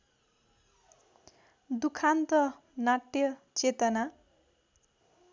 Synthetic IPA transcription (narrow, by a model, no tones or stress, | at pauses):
d̪ukʰant̪ʌ | naʈjʌt͡set̪ʌna